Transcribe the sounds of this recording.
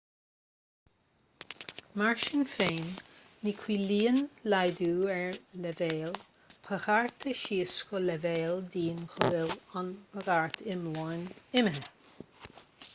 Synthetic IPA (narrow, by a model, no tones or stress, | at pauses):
maɹʃɪnfeːnː | ikʰwiːliːənlajd̪uːɛɹlɛveːl | pʰəxaɹt̪ʰəʃiːskɔlɛveːld̪iːnxɔvɪlɔnpʰəɡaɹt̪ʰɪmlɔɹnɪməɦə